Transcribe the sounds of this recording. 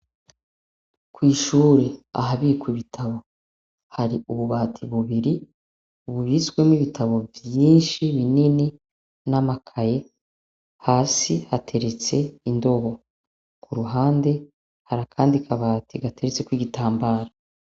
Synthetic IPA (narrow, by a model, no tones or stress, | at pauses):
kwiːʃuːɾe̞a̰ɦaβikwiβitʰaβo̞ | haɾiʔuβuβaːtʰiβuβiɾi | uβuβit͡swe̞mwiβitʰaβo̞vjiːnʃiβinini | namakʰaje̞ | haːsihatʰe̞ɾe̞t͡se̞indo̞βo̞ | kuɾuɦaːnde̞ | haɾakʰaːndikʰaβaːtʰiɡate̞ɾet͡se̞kwiːɡitʰaːmbaːɾa